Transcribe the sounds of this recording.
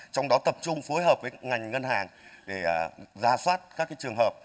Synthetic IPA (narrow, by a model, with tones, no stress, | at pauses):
t͡ɕɔ˧wŋ͡mɗɔ˨˦t̪ə˨˩p̚t͡ɕʊ˧ŋ͡mfo˨˦jɦəː˨˩p̚vəː˨˦ŋa˨˩jŋ̟ŋə˧nhaː˨˩ŋɗeː˧˩˨zaː˧swaː˦˥t̚kaː˦˥kːaː˨˦jt͡ɕɨ˨˩əŋɦəː˨˩p̚